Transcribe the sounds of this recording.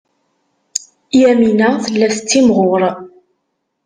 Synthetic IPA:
jæminæθəlːæθət͡sːimʁʊɾˤ

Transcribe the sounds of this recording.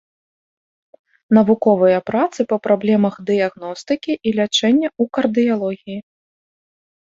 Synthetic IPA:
nɐvukɔvɨjɐpɾat̪sɨpɐpɾablʲɛmɐxd̪ɨjaɣnɔst̪ɨkʲiʔilʲat͡ʂɛnʲːɐukɐrd̪ɨjalˠɔɣʲiji

